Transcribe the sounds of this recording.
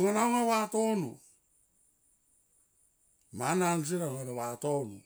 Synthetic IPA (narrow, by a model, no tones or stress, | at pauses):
ŋanaoŋawato̞nu | manans̬iɾaŋeɾewato̞nu